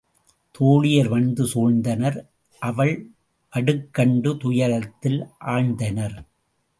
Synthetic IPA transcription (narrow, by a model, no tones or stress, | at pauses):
t̪ʰoːɻɪjɐɾʋɐɳd̪ɯsoːɻnd̪ɐnɐɾ | ʔɐʋɐɭ | ʔɐɽɯkːɐɳɖɯt̪ʊjɐɾɐt̪ːɪlʔaːɻnd̪ɐnɐɾ